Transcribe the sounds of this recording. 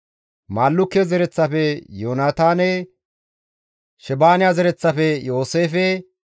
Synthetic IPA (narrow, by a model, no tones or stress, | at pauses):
maːlːʊkːezɛɾɛt͡sːɐfɛjoːnaːt̪aːne | ʃɛbaːnɪjazɛɾɛt͡sːɐfɛjo̞ːseːfɛ